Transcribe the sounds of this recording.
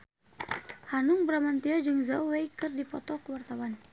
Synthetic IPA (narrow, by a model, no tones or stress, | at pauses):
hanuŋbəɾamant̪iad͡ʒɨŋzawwejkɨrdipɔt̪ɔkəwart̪awan